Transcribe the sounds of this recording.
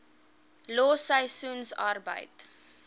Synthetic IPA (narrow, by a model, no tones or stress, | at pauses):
loːsəjsunsɑrbə̰jt